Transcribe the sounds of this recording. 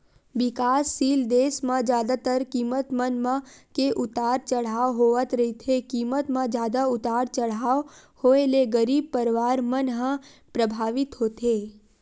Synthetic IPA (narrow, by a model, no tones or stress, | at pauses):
ʋɪkaːsːiːld̪eːsmãd͡ʒjaːd̪at̪əɾkiːmət̪mənmãkeʔʊt̪aːɾt͡ʃəɽ̤aːʋɦoʋət̪ɾəit̪ʰekiːmət̪mãd͡ʒjaːd̪aʊt̪aːɾt͡ʃəɽ̤aːhoeleɡəɾiːb̚pəɾʋaːɾmənɦə̃pɾəbʱaːʋɪt̪ɦoːt̪ʰeː